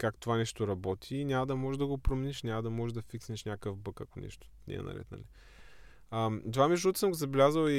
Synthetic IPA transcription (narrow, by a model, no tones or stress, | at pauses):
kakt̪ovanɛʃt̪oɾɐbɔt̪ʰiːnʲamɐd̪ɐmɔʒɛd̪ɐɡopɾomɛniʃnʲamɐd̪ɐmɔʒɛd̪ɐfiksniʃnʲakəfbɤkɐkonɛ̰ʃt̪o̥nɛ̰ɛ̰nɐ̰ɾɛ̰t̪nɐ̰li | əmd̪ovamɛʒut̪ə̥səmɡozɐblʲazəli